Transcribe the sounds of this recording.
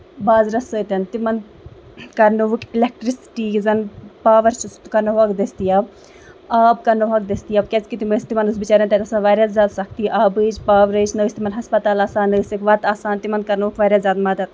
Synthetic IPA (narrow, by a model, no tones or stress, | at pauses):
baːzɾɐsəːt̪ɐnt̪imɐnd̪ | kɐɾnuʋukilek̚ʈɾisi̥ʈiːzɐnpaːʋɐɾt͡ʃust̪kɐɾnuʋɐkd̪ɐst̪ijaːb̚ | aːbkɐnuɦɐk̚d̪ɐst̪ijaːb̚kʲet͡skit̪iməst̪imɐnɨs̬bit͡ʃaːɾɐnt̪ʲɐt̪ɐsɐ̃nʋaːɾjaːzʲaːd̪sɐkʰt̪ijʔaːbɨd͡ʒpaːʋɾəːt͡ʃʰnɐːst̪imɐnɦɐspɐt̪aːlaːsaːnəːsikʋɐt̪aːsaːnt̪imɐnd̪̚kɐɾnuʋukʋaːɾʲjaːzʲjaːd̪mɐd̪ɐt̪̚